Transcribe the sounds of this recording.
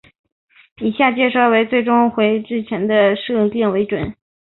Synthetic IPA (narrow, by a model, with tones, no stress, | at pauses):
i˨˩ɕja˥˩t͡ɕjɛ˥˧ʂo˥˩ʊwe˧˥ɪt͡swe˥˩ɪʈ͡ʂʊ˥ŋxwe˧˥ɪʈ͡ʂɻ̩˥˩t͡ɕʰjɛ˧˥nd̪ə˧ʂɤ˥˧˩ljɛ˥˩nwe˧˥ɪʈ͡ʂwə̰˨˩˦n